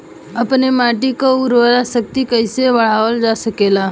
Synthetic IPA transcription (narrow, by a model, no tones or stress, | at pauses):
əpnemaʈikauɾʋəlasək̚t̪ikəjseʋəɭ̤aʋəld͡zasəkela